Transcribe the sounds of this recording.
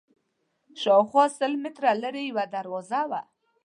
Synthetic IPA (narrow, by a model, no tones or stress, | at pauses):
ʃɔwχwɑsəlmɪt̪ɾaləɾejwad̪aɾwɔzawa̰